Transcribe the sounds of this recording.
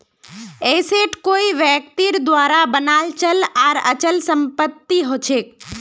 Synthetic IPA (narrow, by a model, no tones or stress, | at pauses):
eːseʈkoːiʋjɛk̚t̪iɾd̪ʋaːɾabənaːlt͡ʃəlaːɾə̰t͡ʃəlsə̃mpət̪ːiɦoːt͡ʃʰeːk